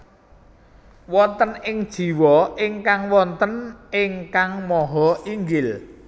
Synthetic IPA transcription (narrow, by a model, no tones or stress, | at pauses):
wɔnt̪ənɪŋd̥ʒ̥i̤wɔɪŋkaŋwɔnt̪ənɪŋkaŋmɔɦɔʔiŋɡɪl